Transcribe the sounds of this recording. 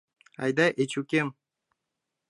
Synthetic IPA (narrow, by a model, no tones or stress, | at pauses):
a̰jd̪aʔet͡ʃukʲem